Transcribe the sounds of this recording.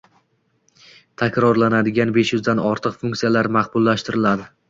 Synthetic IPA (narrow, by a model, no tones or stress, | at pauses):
t̪ʰakʲɾɒɾlanad̪ɪɡʲanbe̞ʃjʊzd̪anɒɾt̪ʰɨqfʊŋkʲt̪ijalaɾmaqbʊlˠːaʃt̪ɪɾɪlad̪ɪ